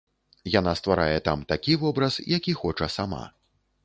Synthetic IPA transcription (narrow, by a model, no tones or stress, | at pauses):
janast̪vaɾajɛt̪amt̪akʲivɔbɾɐsjakʲixɔt͡ʂɐsama̰